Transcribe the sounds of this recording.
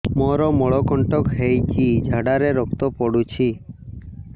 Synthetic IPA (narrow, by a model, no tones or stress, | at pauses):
mɔɾɔmɔɭɔkɔɳʈɔkɦejt͡ʃid͡ʒʱaɽaɾeɾɔkt̪ɔpɔɽut͡ʃʰi